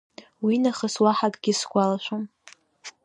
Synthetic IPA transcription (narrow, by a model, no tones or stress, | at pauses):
winaχəswaħakʼɡʲɪsɡʷʼalaʃʷom